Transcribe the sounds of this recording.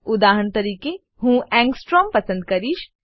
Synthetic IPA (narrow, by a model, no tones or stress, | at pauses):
ʊd̪aːɦəɳt̪ɐɾiːke | ɦũːʔɛ̃ːŋɡsʈɾɔːmpɐsə̃nd̪̚kɐɾiːʃ